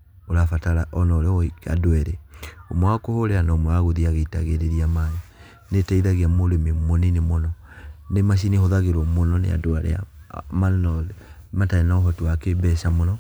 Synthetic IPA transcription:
oɾafataɾaʔɔnɔoɾeɔika̰doɛɾeomwwakohoɾeanaomɔaɣoðiaɣeita̰ɣeɾeɾiamaji | netaiðaɣeamoɾememoninemonɔnemaʃ̬inehoðaɣeɾɔmonɔnḛa̰doaɾḛa̰manɔ | mataenaoɦɔtowakebɛʃamonɔ

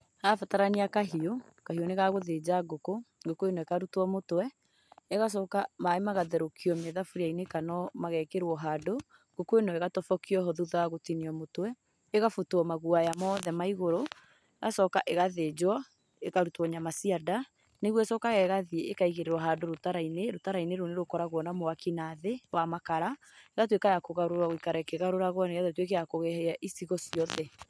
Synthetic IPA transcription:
hafataɾaniakaɦiokaɦioneɣaɣoðed͡ʑaɡokoɡokoenɔekaɾutwɔmotwɛ | eɣas̬ɔkamaemaɣaðɛɾokʰiɔmɛðafuɾiainekanɔmaɣɛkeɾwɔɦaːdo | ɡ̥okoenɔeɣatɔfɔkiɔɦoðuðaaɣotiniɔmotwɛ | eɣafutwɔmaɣuajamɔðɛmaiɣoɾo | eɣasɔkaʔeɣaðed͡ʒwɔ | eɣaɾutwɔɲamasiada | neɣwɛsɔkaɣɛɣaðiekaiɣeɾeɾwɔɦadoɾotaɾaineɾotaɾaineɾoneɾokɔɾaɣwɔnamoakinaðewamakaɾa | eɣatwekajakoɣaɾoɾwaɣoikaɾɛkeɣaɾoɾaɣɔneɣaðotwek̬ɛjakoɣɛhɛaʔisiɣɔsiɔðɛ

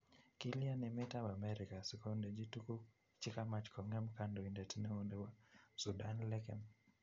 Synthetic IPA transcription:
kilianimɛtawamɛɾikasikɔndɛd͡ʒituku | t͡ʃikamat͡ʃkʰɔŋɛmkandɔindɛtinɛundɛwasudanlɛkɛm

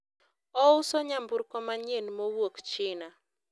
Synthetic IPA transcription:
ɔʊsɔɲambuɾkɔmaɲenmowokt͡ʃɪna

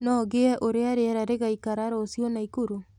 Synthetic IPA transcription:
nɔːɣeaʔoɾeaɾeaɾaɾeɣaikaɾaɾosionaikoɾo

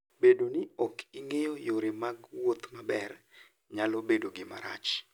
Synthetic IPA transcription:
bedonɪɔkiŋejojoɾɪmaɡwot̪mabɛr | ɲalobedoɡɪma̰ɾa̰t͡ʃ

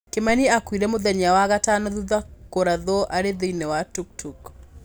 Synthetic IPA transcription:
kemaniakwiɾɛmoðɛɲawaɣatanɔðuðakoɾaðɔʔaɾeðinɛwatuk̚tʰuk

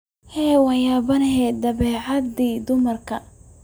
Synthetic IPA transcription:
hɛːwɑjaːbɐnhɛd̪ɐβɛːʕɑd̪iːd̪ʊmɐrkʰɐ

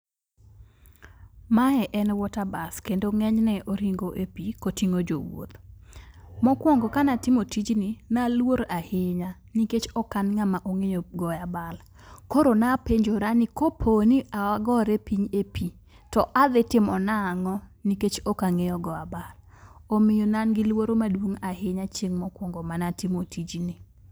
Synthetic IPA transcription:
maɛʔɛnwɔtabaskendoŋɛɲnɛʔoɾiŋɡoʔepikotiŋod͡ʒo̰wo̰t̪ | mɔkwɔŋɡɔkanatɪmotid͡ʒninalwoɾahɪɲa | niket͡ʃɔkanŋamaʔoŋejoɡɔjabal | koɾonapeɲd͡ʒoɾanɪkopʰoniʔawaɡɔɾɛpiɲepʰi | tɔʔad̪ɪtɪmɔnaŋɔniket͡ʃɔkaŋejɔɡɔabal | omɪjonanɡɪlwoɾomadwoŋahɪɲat͡ʃeŋmɔkwɔŋɡɔmanatɪmotʰid͡ʒnɪ

